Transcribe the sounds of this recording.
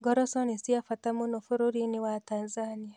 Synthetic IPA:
ɡɔɾɔsɔnisiafatamunofuɾuɾiniwataːnzania

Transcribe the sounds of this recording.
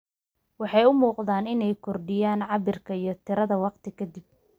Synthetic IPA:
wɑħɑjʊmuːqðaːnɪnɛjkʰɔrɖɪjaːnʕɑbɪrkʰɐijɞt̪ʰɪɾɐðɐwɑqt̪ʰɪkʰɐd̪ib̚

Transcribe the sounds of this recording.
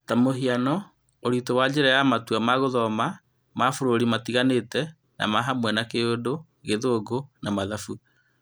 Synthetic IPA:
tamoɦianɔ | oɾitowad͡ʒeɾajamatuwamaɣoðɔma | mafoɾoɾimatiɣanetɛ | na̰maɦamwɛnakeodo | ɣeðoːɡonamaðafu

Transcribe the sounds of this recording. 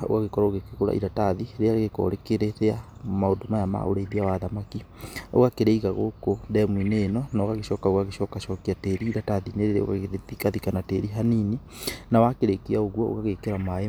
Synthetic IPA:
o̰ɣaɣekɔɾaoɣekeɣoɾa̰ʔḭɾataðiɾeaɾeɣekɔ̰ɾekeɾetea | maodomajama̰o̰ɾeiðiawaðamakio̰ɣakeɾeiɣaɣo̰kondɛmwineːnɔnaoɣaɣeʃɔːkaoɣaɣeʃɔkaʃɔkiateɾiːɾataðineɾeɾḛo̰ɣa̰ɣeðetikaðikanateɾiɦanini | nawakeɾekeaoɣwɔo̰ɣaɣekeɾamae

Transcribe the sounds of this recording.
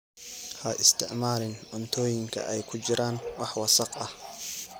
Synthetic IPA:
hɐʔɪst̪ʰɪʕmaːlɪnʕʊnt̪ʰɔːjɪŋkʰɐ̰ʔɛjkʰʊt͡ʃɪɾʔaːnwɑħwɑsɑqɐh

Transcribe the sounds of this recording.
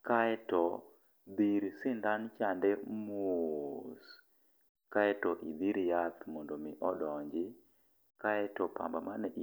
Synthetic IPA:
kaɛtɔ | d̪iɾsɪndant͡ʃandɛmos | kaɛtɔʔid̪iɾjat̪mondomiʔɔdɔɲd͡ʒɪ | kaɛtɔpa̰mbamanɛʔ

